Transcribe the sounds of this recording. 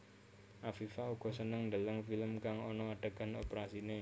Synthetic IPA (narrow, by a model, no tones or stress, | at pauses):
ʔafifauɡ̥ɔ̤sənəŋndaləŋfiləmkaŋɔnɔaɖ̥a̤ɡ̥a̤nopɾasine